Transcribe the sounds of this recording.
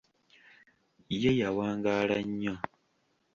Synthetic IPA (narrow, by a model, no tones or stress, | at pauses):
jejawaːŋɡalaɲːa